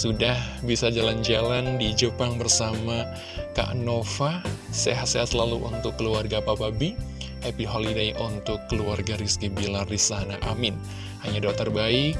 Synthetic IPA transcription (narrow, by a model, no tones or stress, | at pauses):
sudahbisad͡ʒaland͡ʒalandid͡ʒəpaŋbərsama | ka̰ʔnofaseɦat̪seɦat̪̚səlaluʔṵnt̪ʊkːəluarɡapababi | ʔepiɦolidajʔunt̪ʊkːəluarɡaɾiskibilardisanaʔamɪn | haɲadot̪ːərbaik̚